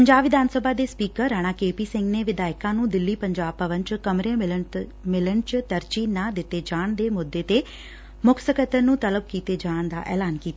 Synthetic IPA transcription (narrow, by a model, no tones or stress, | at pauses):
pəɲd͡ʒaːbʋɪd̪ʱaːnsəbʱaːd̪eːspiːkəɾɾːaːɽ̃aːkeːpiːsɪ̃ŋɡneːʋɪd̪aːɪkãːnũːd̪ɪlːiːpəɲd͡ʒaːb̚pəʋənt͡ʃkəmɾeːɪləmɪləɳt͡ʃt̪əɾt͡ʃiːnaːd̪ɪt̪eːd͡ʒaːɳd̪eːmʊd̪ːeːt̪eː | mʊksəkət̪ənũːt̪ələb̚kiːt̪eːd͡ʒaːɳd̪a̰ːʔɛ̰ːlaːnkiːt̪a